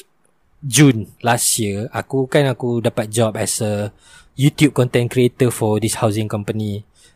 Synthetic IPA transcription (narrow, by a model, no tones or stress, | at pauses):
d͡ʒũnlasjiəakukãnakudapat̪̚d͡ʒɔpɛsə | jut̪jup̚kɔ̃nt̪ɛ̃nkɾiet̪əfɔdishawsĩŋkɔ̃mpəni